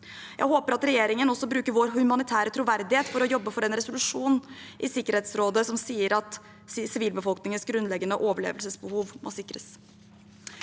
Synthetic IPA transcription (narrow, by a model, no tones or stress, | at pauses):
jʔæ̰ɪhoːpəɾɑt̪ɾɛjeːɾɪŋənɔsːɔbɾʉːkəɾʋoɾhʉmɑnɪt̪ʰæːɾət̪ʰɾuʋæɾd̪ɪheːt̪fɔɾɔjɔbːəfɔɾɛnɾɛsʊlʉʂuːnʔɪsɪkːəɾheːt̪sɾoːd̪əsɔmsiːəɾɑt̪ | sɪʋiːlbəfɔlknɪŋənsɡɾʉnlɛɡːənəʔoːʋəɭḛːʋəlsəsbəhuːʋmʔo̰ːsɪkːɾəs